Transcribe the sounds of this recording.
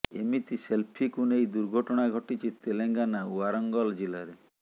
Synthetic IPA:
emit̪iselpʰikunejd̪uɾɡʱɔʈɔɽ̃aɡʱɔʈit͡ʃʰit̪eleŋɡanauaɾɔŋɡɔld͡ʒilaɾe

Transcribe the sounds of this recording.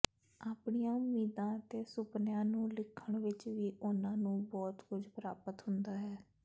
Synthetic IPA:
aːpɳijãːʊmiːd̪ãːt̪eːsʊpnjãːnũːlɪkʰːəɳʋɪt͡ʃʋiːʔʊnãːnũːbɔːt̪kʊd͡ʒpɾa̰ːpət̪ɦʊnd̪aːɦɛː

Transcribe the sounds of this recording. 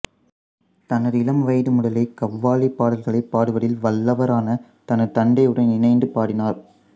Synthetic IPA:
t̪ɐnɐðɪlɐmʋɐɪðɯmʊɽɐlɐɪkɐʋːaːlipːaːɽɐlɣɐɭɐɪpːaːɽɯʋɐɽɪlʋɐlːɐʋɐɾaːnɐ | t̪ɐnɐɾt̪ɐɳɖɐɪɯɽɐɪnɪnɐɪnd̪ɯpaːɽɪnaːɾ

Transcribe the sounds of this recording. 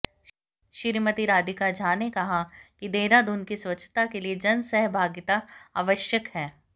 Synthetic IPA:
ʃɪɾmət̪iɾaːd̪ɪkad͡ʒʱaːnekɐɦakid̪eːɾaːd̪ʊnkisʋɐt͡ʃʰt̪akelied͡ʒɐnsɛɦbʱaːɡɪt̪aa̰ːʋəʃjəkhɛː

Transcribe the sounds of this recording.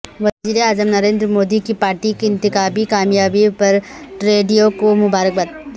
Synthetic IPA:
ʋɐd͡ʒiɾeaːd͡ʒəmnɐɾeːnd̪ɾəmoːd̪ikipaːɾʈikiɪ̃nt̪ɪkaːbikaːmjaːbipɐɾʈɾeːɖijokomʊbaːɾək̚bɐt̪ː

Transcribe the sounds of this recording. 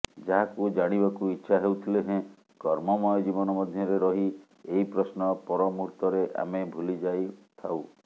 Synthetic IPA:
d͡ʒaɦakud͡ʒaɽ̃ibakuitːʃʰaɦewt̪ʰileɦẽ | kɔɾmɔmɔjɔd͡ʒibɔnɔmɔd̪ʱjɔɾeɾɔɦi | eɦipɾɔsnɔpɔɾɔmuɾt̪ɔɾeʔa̰mebʱulid͡ʒajt̪ʰaw

